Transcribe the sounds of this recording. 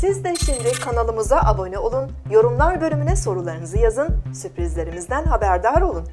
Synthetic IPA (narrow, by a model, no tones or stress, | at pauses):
sizd̪ɛʃimd̪ɪkʰanalˠɯmuzaʔabo̞nɛo̞lˠun | jo̞ɾumlˠaɾbø̞lʲymynɛso̞ɾulˠaɾɯnɯzɯjazɯnsypɾizlʲe̞ɾimizd̪ænɦabæɾd̪aɾo̞lˠun